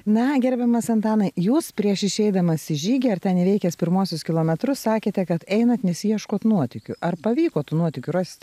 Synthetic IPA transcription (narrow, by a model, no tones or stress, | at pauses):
nɐɡʲɛɾʲbʲɛmɐsɐnt̪ɑːnɐɪjuːspʲɾʲiɛʃɪʃʲɛɪd̪ɐmɐsɪʒʲiːɡʲɛːɐɾt̪ʲɛnɪʋʲɛɪkʲɛspʲɪɾmuɔsʲʊskʲɪlˠoːmʲɛt̪ɾʊssɑːkʲeːt̪ʲɛkɐt̪ɛɪnɐt̪nʲɛsʲijɛʃkoːt̪nuɔt̪ʲɪkʲʊʔɐrpɐʋʲiːkoːt̪uːnuɔt̪ʲɪkʲʊɾɑːsʲɪ̥t̪ʲ